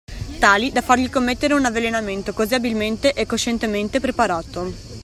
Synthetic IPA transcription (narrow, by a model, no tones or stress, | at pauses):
t̪aːlid̪afarʎikomːet̪ːeɾeunavːelenament̪okoziabilment̪eʔɛkːoʃent̪ement̪epɾepaɾaːt̪o